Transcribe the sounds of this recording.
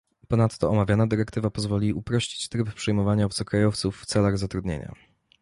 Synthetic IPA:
pɔnat̪ːɔɔmavʲjanad̪ɘɾɛkt̪ɘvapɔzvɔlʲiupɾɔɕt͡ɕi̥t͡ɕt̪ɾɘppʂɛjmɔvaɲavsɔkɾajɔft̪sufːt̪sɛlaɣzat̪ɾud̪ɲḛɲa̰

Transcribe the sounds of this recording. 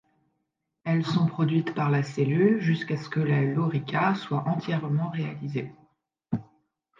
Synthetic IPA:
ɛlsɔ̃pχɔd̪ɥit̪paʁlaselylʒyskasə̥kəlalɔʁikʲaswaʔɑ̃t̪jɛʁmɑ̃ʁea̰lize

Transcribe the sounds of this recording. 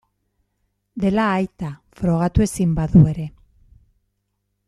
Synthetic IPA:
d̪e̞laːjt̪afɾo̞ɣ̞at̪ue̞simbaðue̞ɾe̞

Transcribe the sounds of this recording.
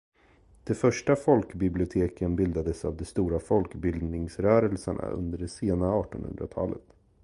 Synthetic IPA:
d̪̥ɛfœʂʈafɔlkbɪblɪʊt̪ʰeːkənbɪld̪ad̪əsa̰vd̪ɛst̪uːɾafɔlkbɪld̪nɪŋsɾœːɾəlsəɳa̰ɵ̰nd̪əɖɛseːnaɑːʈɔnhɵ̰nd̪ɾa̰t̪ʰɑ̰ːlə̰t̪

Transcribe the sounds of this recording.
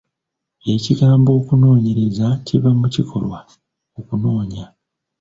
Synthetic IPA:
e̞ciɡaːmbo̞ːkuno̞ːɲe̞ɾe̞zacivamucikʰo̞̰lwa | okuno̞ːɲa

